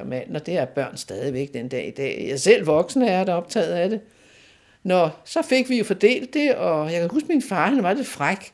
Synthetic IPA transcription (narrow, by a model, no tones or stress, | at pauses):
mæn̰nɒ̽d̥e̝æɐb̥ɶɐ̰nsd̥ɛːð̞ˠiʋeɡ̥d̥enəd̥ɛ̰ːid̥ɛ̰ːjɑ̈sel̰ʋɒ̽ɡ̥snəæɐɾ̥æɒ̽b̥̚t͡sʰɛ̰ːð̩ˠæd̥e̝ | nɒsɒ̽fe̝ɡ̥ʋijo̝fɒd̥e̝̰ːld̥e̝ɒ̽jɑ̈kʰæhusɡ̥minfɑ̈ːhænʋɑ̈d̥e̝fʁaɡ̥